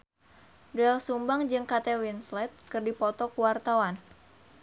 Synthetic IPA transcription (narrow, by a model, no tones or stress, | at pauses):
dɛlsumbaŋd͡ʒɨŋkat̪ɛwinslɛt̪̚kɨrdipɔt̪ɔkuwart̪awan